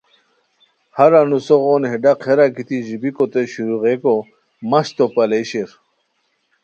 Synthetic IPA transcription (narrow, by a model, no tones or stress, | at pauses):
hɐɾanusoɣoːnɦeɖaqʰeɾakit̪iʑibikot̪eɕuɾuʁeko | mɐɕt̪opɐleɕeɾ